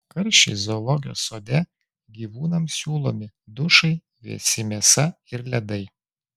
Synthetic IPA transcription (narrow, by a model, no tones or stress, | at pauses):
kɐɾʲʃʲt͡ʃʲɛ̰ɪzolˠɔɡʲɪjo̰ːsoːd̪ʲɛ | ɡʲiːʋuːnɐmsʲuːlˠoːmʲɪ | d̪ʊʃɐɪ | ʋʲḭɛsʲɪmʲiɛsɐ | ɪɾlʲɛd̪ɐɪ